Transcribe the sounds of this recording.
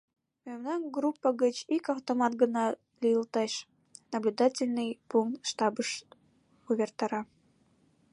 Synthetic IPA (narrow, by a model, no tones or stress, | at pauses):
memnɑnʲɡrupːəɣət͡ɕikɑwt̪omɑt̪ɡənɑ | lʲijəlt̪ɑʃ | nɐblʲud̪ɑtʲɪlʲnɨjpuŋkt̪ʃt̪ɑbəʃ | uβʲert̪ɑɾɑ